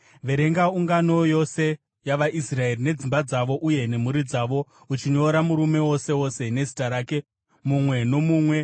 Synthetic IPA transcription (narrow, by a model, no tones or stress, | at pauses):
ʋe̞ɾe̞ŋɡauŋɡano̞jo̞se̞ | jaʋaʔisrae̞rine̞d͡zimbad͡zaʋo̞ʔuje̞ne̞muɾid͡zaːʋo̞ | ut͡ʃiɲo̞ɾamuɾume̞wo̞se̞wo̞se̞ne̞zi̥taɾaːke̞ | mumwe̞no̞muːmwe̞